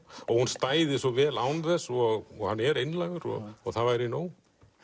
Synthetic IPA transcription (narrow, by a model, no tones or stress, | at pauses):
ɔɣhunst̪aːjðɪsɔvɛːlaːwnθɛsːɔɣɔɣhanːɛɾejnlajɣʏɾɔ̰ɔɣθavajɾɪnoːw